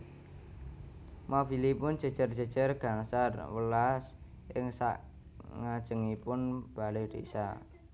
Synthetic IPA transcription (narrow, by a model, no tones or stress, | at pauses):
mobilipʊnd͡ʒ̥ə̤d̥ʒ̥ərd͡ʒ̥ə̤d̥d͡ʒ̥ərɡ̥a̤ŋsarwəlas | ʔɪŋsa̰ʔ | ŋḁʒ̥ə̤ŋipʊnb̥a̤lerḭsa̰